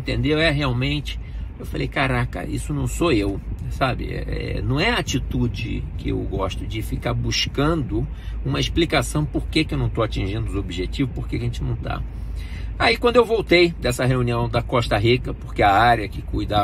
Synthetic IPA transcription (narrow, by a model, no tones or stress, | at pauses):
ẽnt̪ẽnd̪ewɛɦeawmẽnt͡ʃɪ̥ewfalejkaɾakɐ̰ḭsʊnɐ̃w̃soewsabɪ̰ɛ̰ɛ̰ɛ̰nɐ̃w̃ɛɐat͡ʃit̪ud͡ʒɪ̰kɪḛwɡɔʃt̪ʊd͡ʒɪfikaɾbuʃkɐ̃nd̪ʊ | ũmɐiʃplikasɐ̃w̃poɾkekɪewnɐ̃w̃t̪owat͡ʃĩʒĩnd̪ʊobiʒet͡ʃivʊpoɾkekɐʒẽnt͡ʃɪnɐ̃w̃t̪a̰ | aikwɐ̃d̪ʊewvowt̪ejd̪ɛsɐɦeũniɐ̃w̃d̪ɐkɔʃt̪ɐɦikɐpoɾkeɐaɾjɐkɪkujd̪a